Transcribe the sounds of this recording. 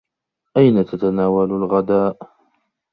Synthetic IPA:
ʔajnat̪at̪anaːwalalɣad̪aːʔ

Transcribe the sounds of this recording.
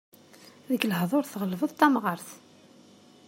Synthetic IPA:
ðəɡləhðˤoɾθʁəlvəðˤt̪ˤːæmʁəɾθ

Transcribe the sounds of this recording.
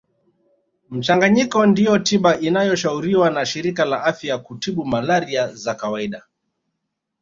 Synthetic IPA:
m̩t͡ʃaŋɡaɲikɔndijɔtiɓaʔinajɔʃauɾiwanaʃiɾikalaʔafjakutiɓumalaɾiazakawaiɗa

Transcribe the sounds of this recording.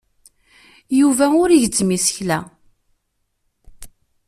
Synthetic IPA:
juvæʊɾiʝd͡zmisə̥çlæ

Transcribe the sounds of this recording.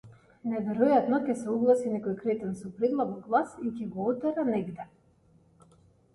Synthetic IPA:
nɛvɛɾɔjat̪nɔcʲɛsɛuɡlˠasinɛkɔjkɾɛt̪ɛnsɔpɾɛd̪lˠabɔɡlˠasicɛɡɔɔt̪ɛɾanɛɡd̪ɛ

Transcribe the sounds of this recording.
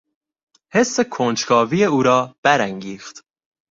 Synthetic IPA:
hesːekʰoːnt͡ʃkʰɒːvijeuːɾɒːb̥æɾæŋɡiːxt̪

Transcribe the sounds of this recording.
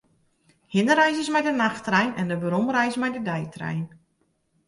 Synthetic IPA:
hɪnəɾɛjzəsmɛjdənaxtrɛjnɛndəbəɾɔmrɛjsmɛjdədɛjtrɛ̰jn

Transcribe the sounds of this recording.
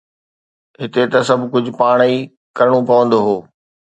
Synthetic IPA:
ɦɪt̪et̪ɐsɐbʱkʊd͡ʑʱʊ̆paːɽ̃i | kɐɾəɽ̃opɐʋə̃nd̪oɦoː

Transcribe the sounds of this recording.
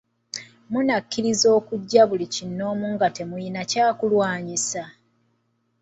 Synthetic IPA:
munakːiɾizo̞ːkuɟːaβulicinːo̞ːmuŋɡate̞mujinacaːkulwaːɲisa

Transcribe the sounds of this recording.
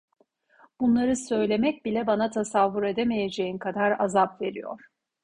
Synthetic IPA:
b̥unlˠaɾɯsø̞jlʲe̞mɛc̚bilʲɛbanat̪ʰasavːuɾe̞d̪emeje̞d͡ʒe̞jinkʰad̪aɾa̰zapve̞ɾḭjo̰ɾ̥

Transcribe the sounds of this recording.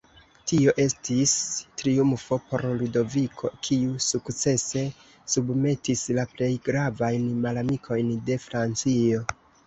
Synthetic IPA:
tio̞ʔe̞stistɾiumfo̞po̞ɾludo̞vikʰo̞̰kʰiusukt͡se̞se̞ | subme̞tislaple̞jɡɾavajnmalamikʰo̞jnde̞fɾant͡sio̞

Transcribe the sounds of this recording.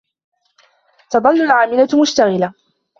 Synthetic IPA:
t̪ɑd̪ˤɑlːʊlʕaːmɪlamʊʃt̪aɣɪla

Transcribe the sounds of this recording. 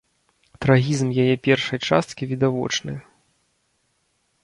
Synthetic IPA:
t̪ɾaɣʲizmjajɛpʲɛrʂɐjt͡ʂa̰st̪kʲivʲid̪avɔ̰t͡ʂnɨ̰

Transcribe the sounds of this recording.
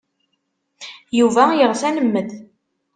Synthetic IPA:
juvæjəʁsænəmːəð

